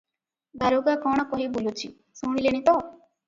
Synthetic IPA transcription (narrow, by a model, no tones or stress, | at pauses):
baɾoɡakɔɽ̃ɔkɔɦibulot͡ʃʰḭ | suɽ̃ileɽ̃it̪ɔ